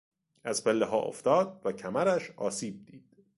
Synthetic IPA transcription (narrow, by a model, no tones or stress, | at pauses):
ʔæzpʰelːeɦɒːʔo̰ft̪ɒːd̪̚væcʰæmæɾæʃɒːsiːb̚d̪iːd̪̥